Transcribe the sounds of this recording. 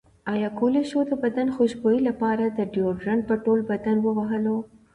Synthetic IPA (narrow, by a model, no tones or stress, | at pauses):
ɑjɑkoleʃod̪əbad̪anxoʃbojilapɑɾad̪əɖjoɾɾaɳ̚pəʈolbad̪anwəwaɦəlo